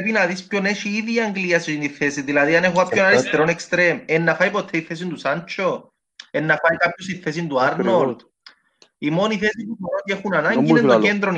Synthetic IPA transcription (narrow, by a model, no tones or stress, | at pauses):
pinɐðispçoneʃiiðiɐŋɡliɐsiniθesiðilɐðiɐnexoapçonɐlist̪eɾonekst̪ɾemenːɐfɐjpot̪ʰːeiθes̬ind̪usɐnt͡ʃʰo | enːɐfɐikapçosiθːes̬ind̪uɐɾno | imo̞niθesit̪ufoɾocexunɐnɐɲɟineocend̪ɾon